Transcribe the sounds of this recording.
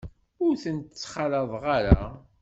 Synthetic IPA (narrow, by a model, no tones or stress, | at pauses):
ʊɾθənt̪ət͡sːχɑlɑðˤʁaɾa